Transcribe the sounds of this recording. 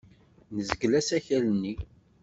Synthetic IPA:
nəzəɡlæsæçælənːi

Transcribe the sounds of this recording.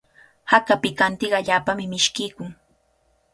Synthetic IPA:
hakapɪkant̪ɪɢaʎaːpamɪmɪʃkɪːkʊŋ

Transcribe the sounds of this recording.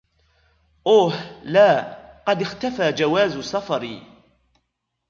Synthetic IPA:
ʔoːhlaːqɑd̪ɪxt̪afaːd͡ʒawaːzsɑfɑɾi

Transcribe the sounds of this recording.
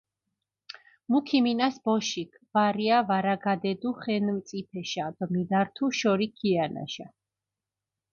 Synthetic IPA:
mukʰiminasbɔʃikʰvaɾiavaɾaɡad̪ɛd̪uχɛnmt̪sʼit̪ʰɛʃad̪̥ɔmid̪aɾt̪ʰuʃɔɾikʰiana̰ʃa̰

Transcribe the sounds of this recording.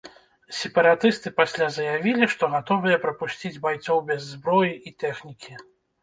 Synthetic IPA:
sʲɛpɐɾat̪ɨst̪ɨpasʲlʲazɐjavʲilʲiʂt̪ɔɣat̪ɔvɨjɐpɾɐpusʲt͡sʲid͡zʲbajt̪sɔwbʲɛzːbɾɔjiʔit̪ɛxnʲikʲi

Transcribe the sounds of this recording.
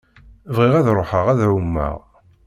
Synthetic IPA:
vʁiʁæðɾˤoħəʁæðʕumːə̰ʁ

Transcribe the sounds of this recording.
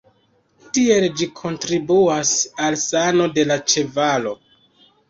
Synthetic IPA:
tie̞ld͡ʒikʰo̞ntɾibuasalsano̞de̞lat͡ʃe̞valo̞

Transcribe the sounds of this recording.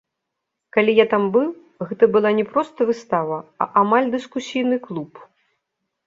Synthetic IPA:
kalʲijat̪ambɨl | ɣɛt̪ɐbɨlˠanʲɛpɾɔst̪ɐvɨst̪avɐɐ̰ʔamalʲd̪ɨskusʲijnɨklˠup

